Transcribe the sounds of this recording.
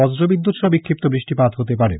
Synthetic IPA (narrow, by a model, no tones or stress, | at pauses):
ɔsɾobid̪ːut̪ʃɔbikʰːip̚t̪obɾiʃʈipat̪ɦot̪epaɾḛ